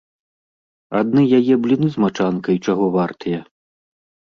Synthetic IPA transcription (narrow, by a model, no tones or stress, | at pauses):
ad̪nɨjajɛblʲinɨzmat͡ʂankɐjt͡ʂaɣɔvart̪ɨjɐ